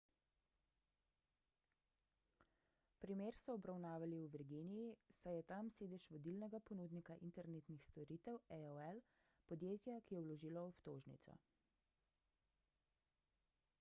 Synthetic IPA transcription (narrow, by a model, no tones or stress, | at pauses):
pɾimeːɾsɔɔbɾawnaːʋaliuʋɛɾɡinijisajɛt̪amseːd̪ɛʃʋɔd̪ilnɛɡapɔnuːd̪nikaʔint̪ɛɾneːt̪nixst̪ɔɾiːt̪ɛwɛɔɛl | pɔd̪jeːt̪jakijɛwlɔʒiːlɔɔpt̪oːʒnḭt̪sɔ̰